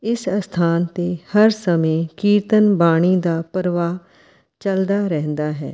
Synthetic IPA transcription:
ɪsst̪ʰaːnt̪eːhəɾsəmẽːkiːɾt̪ənbaːɽ̃iːd̪aːpəɾʋaː | t͡ʃəld̪aːɾɛɦnd̪aːɦɛ̰ː

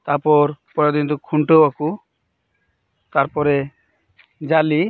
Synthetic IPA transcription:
t̪aɾpɔɾpɔɾed̪int̪ukʰuɳʈobaku | t̪aɾpɔɾe | d͡ʒali

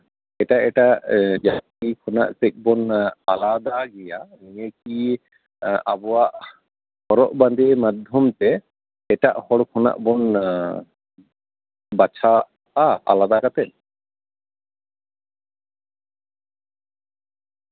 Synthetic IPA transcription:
ɛʈaʔɛʈaʔd͡ʒakikʰɔna̰ʔsɛk̚ˀbɔnalad̪aɡɛjanijek̚i | abɔwaʔ | hɔɾɔʔband̪emad̪ʱjɔmt̪ɛ | ɛʈa̰ʔhɔɽkʰɔna̰ʔbɔn | bat͡ʃʰa | aa̰lad̪akat̪ɛn

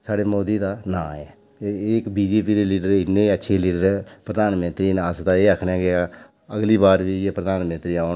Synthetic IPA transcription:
saːɖeːmoːd̪iːd̪aːnãːɛː | ekbiːd͡ʒeːpiːd̪eːliːɖəɾɪnːeːətːʃʰeːliːɖəɾɛpɾəd̪aːnmə̃nt̪ɾiːnasd̪aːeːəkʰneɛ̃ːɡea | əɡliːbaːɾʋiːeːpɾəd̪aːnmə̃nt̪ɾiːaːn

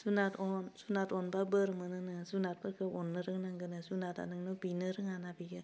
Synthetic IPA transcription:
sunatɔnsunatɔnbabɯɾmɯnɯnɯsunat̚bɯɾkʰɯɔnːɯɾɯŋnaŋɡɯnɯsunata̰nɯŋnɯbinɯɾɯŋanabiɡɯ

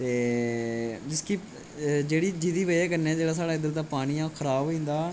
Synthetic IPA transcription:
t̪eː | d͡ʒɪskiː | d͡ʒeːɽiːd͡ʒid̪iːʋəeːkəɾneaːd͡ʒeːɽaːs̬aːɽaːɪd̪əɾt̪aːpaːɽ̃iːãːkʰəɾaːbĩːnd̪aː

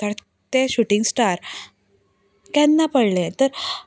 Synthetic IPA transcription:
t̪əɾ | t̪eɕuʈĩŋɡsʈaɾ | t̪janːapəɽlẽt̪əɾ

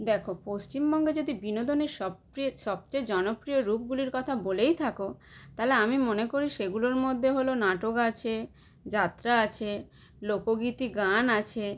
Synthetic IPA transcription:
d̪ɛkʰopost͡ɕimbɔŋɡed͡ʑod̪ibinod̪oneɾʃɔ | ɾiʃɔb̚t͡ɕajd͡ʑɔnopɾijoɾup̚ɡuliɾkɔt̪ʰabolejt̪ʰakot̪aleamimonekoɾiʃeɡuloɾmod̪ʱːeɦolonaʈokat͡ɕʰe | d͡ʑat̪ːɾaat͡ɕʰe | lokoɡit̪iɡanat͡ɕʰe

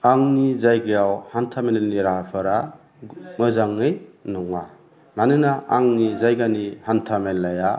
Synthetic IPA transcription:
aŋnizajɡejawhantʰameneniɾaapʰɯɾa | mɯzaŋːɯjnɔŋa | nanɯnaʔaŋnizajɡanihantʰamelːaja

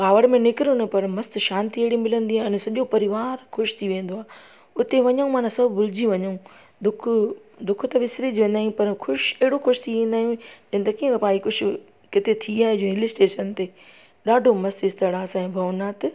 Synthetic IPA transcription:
kaːʋəɽmẽnɪkɪɾjõnepɐɾmɐst̪ʃaːnt̪ieɪɽimɪlə̃nd̪iaɪnsɐʄopɐɾɪʋaːɾxʊʃt̪ʰiʋẽːn̆d̪oaː | ʊt̪eʋɐɲaũmaːnãsɐbʱbʊld͡ʑiʋɐɲaũ | d̪ʊkʰʊ | d̪ʊkʰʊt̪ɐʋɪsɾid͡ʑʋẽːn̆d̪aːɦijũpɐɾxʰʊʃɛɦɪɽoxʊʃt̪ʰiʋẽːnd̪aːijũd͡ʑɐ̃ːnt̪ɐkĩə̃kpaːikʊd͡ʑʰʱʊ | kɪt̪et̪ʰiaːɦed͡ʑoɪlɪsʈeːʃənt̪eː | ɗaːɖʱomɐst̪ɪst̪əɽaːsaẽːbʱɐʋnaːt̪

